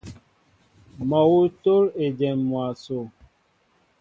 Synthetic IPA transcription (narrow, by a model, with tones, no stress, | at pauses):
mɔ˨wu˦to˦ɾe˨d͡ʒɛ˨mːwa˨so˨